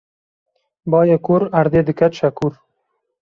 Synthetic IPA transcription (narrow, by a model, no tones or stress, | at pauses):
bɑːjekuɾɐɾd̪ed̪ɨkat̪ʃakuɾ